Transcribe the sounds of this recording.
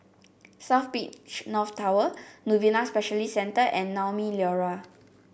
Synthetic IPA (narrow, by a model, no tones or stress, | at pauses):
saʊfpiʔt͡ʃnɔftʰawənuvinaspɛʃəlisɛ̃ntəʔɛ̃nːawmiljɔɹa